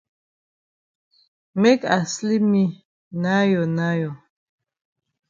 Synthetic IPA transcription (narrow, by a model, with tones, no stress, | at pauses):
mɛ˦ka˨sli˦mi˦ | na˦jɔ˨na˦jɔ˨